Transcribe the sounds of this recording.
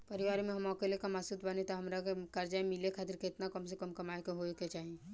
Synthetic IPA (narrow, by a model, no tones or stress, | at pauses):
pɐɾɪʋaːɾimẽɦɐmɔːkelekamasut̪ʰbənet̪oɦɐmɾakekɐɾd͡ʒaemɪlekʰaːt̪ɪɾkeɪt̪nakɐmsekəmkɐmaːekeɦoket͡ʃaːɦie